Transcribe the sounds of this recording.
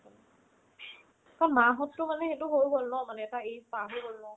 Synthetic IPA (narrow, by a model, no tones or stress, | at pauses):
kanmaɦɔtːʊmanɛxɛtʊɦojbolnɔmanɛɛtaejpaɦojbolnɔ